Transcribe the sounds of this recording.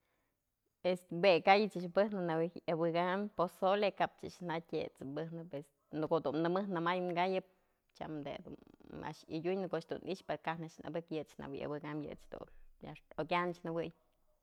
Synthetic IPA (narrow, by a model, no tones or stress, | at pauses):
est̪bekajɨt͡ʃɨʃbɨhnɨnawiabɨɡamposolekapt͡ʃɨ̰ʃnatʲet͡sɨbɨhnɨpes | nɨkoʔd̪unnɨmɨhnɨmajŋɡajɨp̚ | t͡ʃa̰md̪ḛd̪ṵna̰ʔʃɨjʲuɲnɨkoʔt͡ʃd̪ṵnʔiʔt͡ʃpeɾkahnaʃna̰bɨkjɨt͡ʃna̰wḭja̰bɨɡamjɨ̰t͡ʃd̪ṵnja̰okʲant͡ʃnɨwɨj